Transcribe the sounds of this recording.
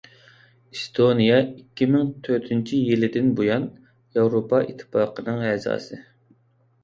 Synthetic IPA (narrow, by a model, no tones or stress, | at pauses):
ist̪ʰonijɑikʲːimɪŋt̪ʰøɾt̪ʰynt͡ʃʰijilɪd̪ɪnbojɑn | jɑwɾopʰɑḭt̪ʰːɨ̥pɑːqʰənɨŋɛzɑ̰ːsɨ